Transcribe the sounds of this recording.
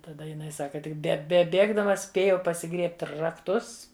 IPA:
tɐˈdɐ jɪˈnɐɪ ˈsɑːkɐ ˈtʲɪk bʲɛ bʲɛˈbʲeːɡdɐmɐ ˈsʲpʲeːjɛʊ pɐsʲɪˈɡrʲiɛpʲtʲ rɐkˈtʊs

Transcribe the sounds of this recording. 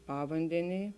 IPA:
ˈpɑːʋɐnʲdʲɛnʲeːj

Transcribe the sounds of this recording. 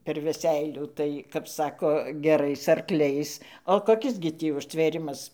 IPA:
pʲɛr ʋʲɛˈsʲɛɪlʲuː tɐɪ kɐp ˈsɑːkoː ɡʲɛˈrɐɪs ɐrˈklʲɛɪs oː koːˈkʲɪs ɡʲɪ ˈtʲiː ʊʃʲtʲʋʲeːˈrʲɪmɐs

